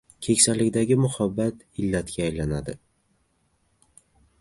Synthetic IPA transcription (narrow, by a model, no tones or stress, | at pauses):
kʲʰekʲsalɪkʲd̪aɡʲɪmʊhabːat̪ | ɪlːat̪ɡʲaːjlanad̪ɪ